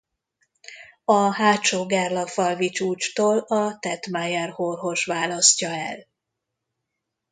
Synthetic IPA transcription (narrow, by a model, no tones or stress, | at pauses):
ɒɦaːt͡ʃoːɡarlɒfɒlvit͡ʃuːt͡ʃt̪oːlɒt̪ɛt̪majɛrhorɦo̞ʃʋaːlɒscɒɛ̰l